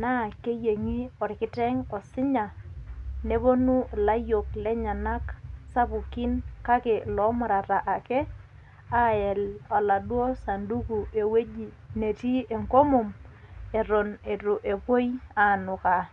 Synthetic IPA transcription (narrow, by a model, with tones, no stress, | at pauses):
na˦˨ke˦je˨ŋi˦ɔ˨ɾɪ˨kɪ˦tɛ˦ŋɔ˨sɪ˦ɲa˨ | ne˦bo˦nu˦˨la˦jo˨k̚lɛ˦ɲa˨na˦ksa˦bu˨ki˦nka˦ke˨lɔ˨˦mʊ˨ɾa˨ɾa˨ʔa˨kɛ˦ | a˦ɛ˨la˨la˨dwɔ˦sa˨ndu˦ku˨e˨we˦d͡ʒi˨ne˨ti˦e˨ŋko˦mʊ˨me˨ɾo˨ne˨to˨ʔe˨pwo˦ja˨nʊ˨ka˨